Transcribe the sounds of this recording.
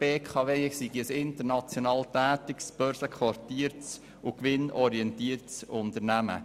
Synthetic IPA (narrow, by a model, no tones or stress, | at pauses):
b̥eːkʰɑvesiɡiəsɪntəɾnɑt͡sjonɑːltæːt̪ɪksb̥œɾsəkʰʋɑrtiːəɾts | ukʋɪnɔɾiɛntiːəɾtsʊntəɾnæmə̰